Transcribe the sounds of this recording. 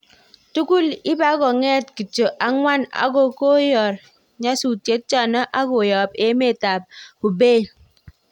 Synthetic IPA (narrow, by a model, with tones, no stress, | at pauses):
tu˦ku˦li˦ba˨˦kɔ˨ŋɛ˦tki˨t͡ʃo˨ʔa˨ŋwa˦na̰˨ɡo˦˨ko˦jɔ˨ɾ | ɲa˦su˨tje˦t̚t͡ʃa˦˨nɔ˦ʔa˦ɡo˨jɔ˨pe˦me˦˨ta˨p̚u˨beː˦˨